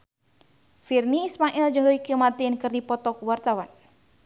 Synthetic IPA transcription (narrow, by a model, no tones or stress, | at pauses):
firniːsmaʔɛld͡ʒɨŋəikəmart̪inkɨrdipɔt̪ɔkuwart̪awan